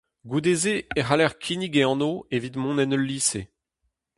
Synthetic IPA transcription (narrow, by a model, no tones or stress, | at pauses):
ɡud̪ezeeχalɛʁkʰiniɡeɑ̃noevit̪mɔ̃nɛnəlːiːse